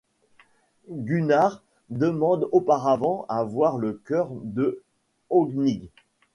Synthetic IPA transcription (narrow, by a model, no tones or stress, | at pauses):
ɡʲynaʁ | d̪əmɑ̃d̪opaʁavɑ̃avwaʁləkʲœʁd̪ə | ɔɡniɡ